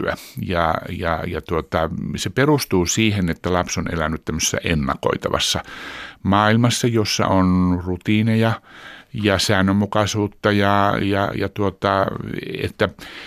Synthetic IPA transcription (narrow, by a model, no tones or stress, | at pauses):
æ̰jɑjɑ̰jɑt̪uot̪ɑseperust̪uːsiːhenet̪ːælɑpsonelænˑyt̪t̪æmːøse̥sːæ̰ʔenːɑ̰ko̰it̪ɑ̰ʋɑ̰sːɑmɑːilmɑsːɑjosːɑ̰ʔonrut̪iːnejɑjɑsæːnømːukɑsuːt̪ːɑjɑjɑ̰jɑt̪uot̪ɑḛt̪ːæ